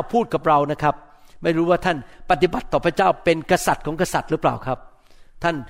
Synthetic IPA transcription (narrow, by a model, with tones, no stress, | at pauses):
wpʰuː˥˩t̪̚ka˨˩p̚ɾa˧wna˦˥kʰa˦˥p̚ | ma˥˩jɾuː˦˥waː˥˩t̪ʰa˥˩npa˧˩t̪i˨˩ba˨˩t̪ːɔː˨˩pʰa˦˥˩t͡ɕaː˥˩wpe˧nka˧sa˨˩t̪̚kʰɔː˩˦ŋka˧sa˨˩t̪̚ɾɯ˦˥pla̰ː˨˩wkʰɾa˦˥p̚ | t̪ʰa˥˩n